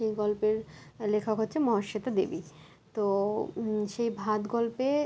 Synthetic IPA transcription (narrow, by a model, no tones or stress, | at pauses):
ejɡɔlpeɾlekʰakɦotːɕʰemɔɦaʃet̪ad̪ḛbi | t̪o | ʃejbʱad̪ɡɔlpe